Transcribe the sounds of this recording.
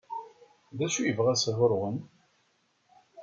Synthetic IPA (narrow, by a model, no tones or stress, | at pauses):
ðæʃujəvʁæsɦʊɾʁən